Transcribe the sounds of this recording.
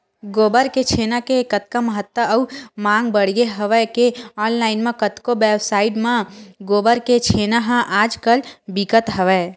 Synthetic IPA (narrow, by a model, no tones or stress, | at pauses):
ɡoːbəɾket͡ʃʰeːnakekət̪̚kaməɦət̪ːwəəumãːŋɡbəɽ̤jeɦəʋɛkeɔːnlaːɪnmẽkət̪kobeːbsaːɪɖmãɡoːbəɾket͡ʃʰeːnaɦə̃ʔaːd͡ʒkəlbikət̪ɦəʋɛː